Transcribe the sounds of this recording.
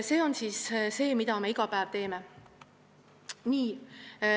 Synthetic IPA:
se̞ːo̞nsiːsse̞ːmid̪ɑme̞iɡ̥ɑpæev̥t̪e̞ːme̞ | niː

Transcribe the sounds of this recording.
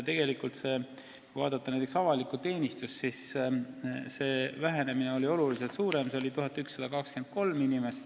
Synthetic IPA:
t̪e̞ɡ̥e̞likːˑult̪se̞ː | kujvɑːd̪ɑt̪ːɑnæjt̪̬ːˑeksɑvɑlikːˑut̪e̞ːnist̪ussis | se̞ːvæɦe̞ne̞mineo̞lʲio̞lulis̬elt̪suːɾemseolit̪uɦɑt̪ːˑyksːɑd̪̥ɑkɑkske̞nd̪̥̚ko̞lminime̞st̪

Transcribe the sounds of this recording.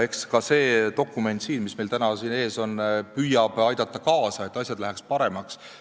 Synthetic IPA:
e̞kskɑse̞ːt̪o̞kːˑume̞nt̪siːnmismejlt̪ænɑsiːne̞ːso̞npyjɑb̥ɑjd̪ɑt̪ːˑɑkɑːsɑe̞t̪ːˑɑsʲjɑd̪̥læɦækspɑɾe̞mɑks

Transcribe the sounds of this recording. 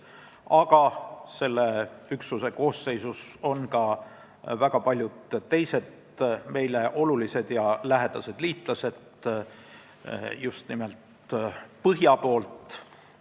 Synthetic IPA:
ɑɡ̥ɑse̞lːeyksuse̞ko̞ːsːe̞jsuso̞nkɑ | væɡ̥ɑpɑlʲjud̪t̪ːe̞jse̞d̪ | me̞jle̞ʔo̞lulise̞d̪̥jɑlæɦed̪̥ɑse̞d̪̥liːt̪ˑlɑse̞d̪ | just̪nime̞lt̪ | pɤɦjɑpo̞ːlt̪

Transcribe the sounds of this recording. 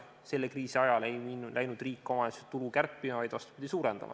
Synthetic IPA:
se̞lːekriːsiɑjɑlejilʔæjnud̪̥riːkːˑomɑsot̪ulukærpːˑimɑvɑjd̪vɑst̪u̥pid̪̥ʲisuːɾend̪̥ɑ̰mʔɑ̰

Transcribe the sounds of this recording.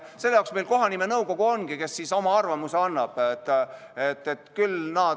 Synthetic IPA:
se̞lːejɑˑowksme̞jlkoɦɑnime̞nɤwɡo̞ɡ̥uo̞nɡ̥ike̞sːiso̞mɑɑrvɑmuse̞ɑnːɑb̥t̪ː | e̞t̪ːˑet̪kylnɑː

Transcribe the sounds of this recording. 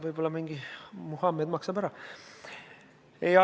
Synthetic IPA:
vɯjb̥o̞lːɑmiŋɡ̥imuhɑmːejd̪mɑksɑbæɾɑ | ejɑ

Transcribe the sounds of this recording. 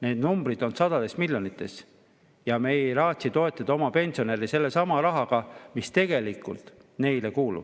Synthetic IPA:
ne̞ːd̪̥numb̥rid̪̥o̞nsɑd̪̥ɑd̪e̞smilʲjo̞nit̪ˑːe̞s | jɑme̞jɾɑːt̪sit̪o̞e̞t̪ːˑɑd̪̥o̞mɑpe̞nʲsio̞ne̞ɾise̞lːe̞sɑmɑɾɑɦɑɡɑmist̪e̞ɡ̥e̞likːˑṵlt̪ | ne̞jlekuːlṵb̥

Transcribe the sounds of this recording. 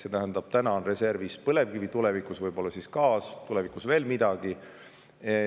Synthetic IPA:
se̞t̪æɦænd̪̥ɑb̥t̪ænɑnre̞se̞rvispɤle̞vkivit̪ule̞vikusvɤjb̥o̞lːɑsiskɑːst̪ulevikusve̞ːlmid̪̥ɑɡ̥i

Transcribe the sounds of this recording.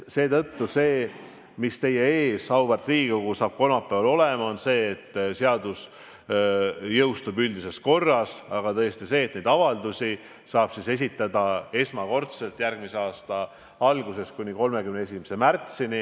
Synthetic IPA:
se̞ːt̪ɤt̪ːuse̞ː | mist̪e̞je̞eːsɑwbert̪ˑriːɡikoɡ̥usɑːb̥̚ko̞nɑpːˑevɑlo̞lemɑo̞nse̞ːt̪ːse̞ɑd̪us | jɤwst̪ubyld̪ise̞sko̞rːɑsɑɡ̥ɑt̪ɤ̞jest̪ise̞ːt̪̚ned̪ɑvɑld̪usʲi | sɑːb̥sise̞s̬ʲit̪ːˑɑd̪ɑe̞smɑko̞rt̪se̞lt̪ˑjærɡ̥̚miseɑːst̪ɑ | ɑlɡuse̞skunʲiko̞lme̞kymnee̞s̬ʲime̥se̞mært̪sini

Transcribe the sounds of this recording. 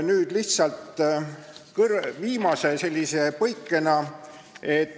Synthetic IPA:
nyːd̪̥liht̪sɑlt̪ | kɯɾviːmɑse̞se̞lʲːise̞pɤjkːˑe̞nɑ | e̞t̪ː

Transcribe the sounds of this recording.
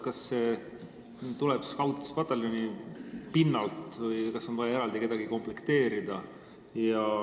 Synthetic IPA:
kɑsːeː | t̪ulɛb̥si̥skɑwt̪ːi̥spɑt̪ːˑelonipinːɑlt̪vɯjkɑso̞nvɑjɑe̞ɾɑld̪ike̞d̪̥ɑɡiko̞mplekt̪e̞ːɾid̪̥ɑ | jɑ

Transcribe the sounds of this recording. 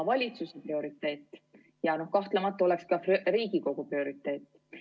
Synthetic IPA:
vɑlʲit̪suseprio̞ɾit̪ːˑe̞ːt̪ːˑ | jɑno̞hkɑht̪lemɑt̪ːˑɑo̞le̞kskɑriːɡ̥iko̞ɡ̥uprio̞ɾit̪ːˑe̞ːt̪ːˑ

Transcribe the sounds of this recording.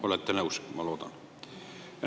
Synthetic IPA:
olet̪ːænæusmɑloˑt̪ɑ̰n

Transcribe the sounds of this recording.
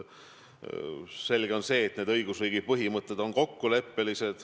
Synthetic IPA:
se̞lɡ̥e̞o̞nse̞ːt̪ne̞d̪ɤjɡ̥usriːɡid̥̚pɤɦimɤt̪ːˑe̞d̪o̞nko̞kːule̞pːelise̞d̪̥

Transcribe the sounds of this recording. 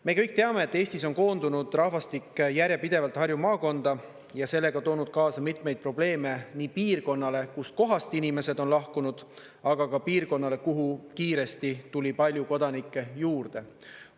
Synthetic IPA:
me̞kɤjk̚ːˑt̪e̞ɑme̞ːt̪ːˑe̞ːst̪iso̞nko̞ːnd̪unud̪̥rɑhvɑst̪ikːejæɾjepid̪̥e̞vɑlt̪hɑrjumɑːko̞nd̪̥ɑ | jɑse̞lːe̞ɡ̥ɑt̪o̞ːnud̪̥̚kɑːsɑmit̪ˑme̞jd̪̚pro̞ble̞ːme̞niːpiːrko̞nːɑle̞kusko̞ɦɑst̪inime̞se̞d̪o̞nlɑhkunud̪̥ | ɑɡɑkɑpiːrko̞nːɑle̞kuɦukiːɾe̞st̪it̪ulʲipɑlʲjuko̞d̪ɑnikˑːe̞juːrd̪̥e̞

